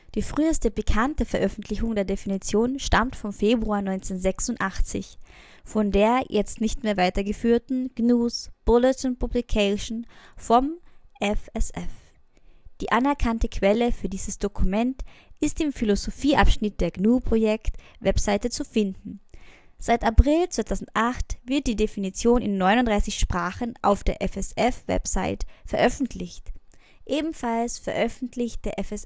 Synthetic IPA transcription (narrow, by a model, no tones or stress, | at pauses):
d̥iːfʁ̥yːəstəbəkʰantəfɛɐʔœfn̩tʰlɪçʊŋdeːɐdefinit͡sjoːnʃtamtfɔmfeːbʁuaːɐnɔʏnt͡seːnzɛksʊntʔaχt͡sɪ̰ç | fɔndeːɐjʔɛt͡stnɪçtmeːɐvaɪtɐɡəfyːɐtn̩ɡ̥nuːsb̥ʊlɪtʊntpʰublikʰaʃn̩fɔmʔɛfɛsʔɛ̰f | d̥iːʔanɛɐkʰantəkʰv̥ɛləfyːɐdiːzəsd̥okʰumɛntʔɪstɪmfilozofiːʔapʃnɪt̚d̥eːɐɡnuːpʁ̥ojɛkt | vɛpz̥aɪtət͡sufɪndn̩ | z̥aɪtapʁ̥ɪlt͡sv̥aɪtʰaʊzn̩tʔaχtv̥ɪɐt̚d̥iːdefinit͡sjoːnɪ̰nːɔʏnʊndʁaɪsɪçʃpʁ̥aːχənʔa̰ʊfd̥eːɐʔɛfɛsɛfvɛ̰pz̥aɪtfɛɐʔœfn̩tʰlɪçt | ʔeːbm̩falsfɛɐʔœfn̩tʰlɪçt̚d̥eːɐʔɛfɛs